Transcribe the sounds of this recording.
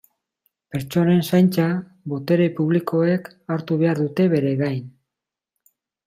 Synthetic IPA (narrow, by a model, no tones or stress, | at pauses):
pe̞ɾt͡ʃo̞ne̞nsajnt͡sa | βo̞t̪e̞ɾe̞puβ̞liko̞ek | aɾt̪uβe̞aɾðut̪e̞βe̞ɾe̞ɣajn